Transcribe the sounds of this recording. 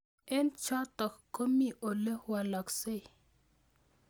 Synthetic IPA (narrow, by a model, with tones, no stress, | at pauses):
e˦nt͡ʃa˦tɔ˨kko˦mi˦ʔo˨lə˦wa˨la˨kse˦